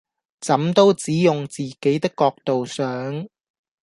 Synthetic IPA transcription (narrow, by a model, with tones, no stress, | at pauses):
t͡sɐ˨˥mt̪o˥wt͡siː˨˥jʊ˨ŋt͡siː˨˩ke˨˥jt̪ɪ˥kːɔː˧k̚t̪o˨wsœː˨˥ŋ